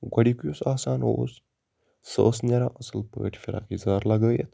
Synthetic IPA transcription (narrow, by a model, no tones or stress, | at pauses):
ɡɐɽikjusaːsaːnɦo̰s | sə̰ːsnʲaɾaʔɐsəlpə̰ːʈʰfiɾa̰ːkizaːɾlɐɡəːjet̪